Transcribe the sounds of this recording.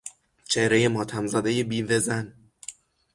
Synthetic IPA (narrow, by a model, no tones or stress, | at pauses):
t͡ʃʰehɾejemɒːt̪ʰæmzæd̪ejebiːvezæn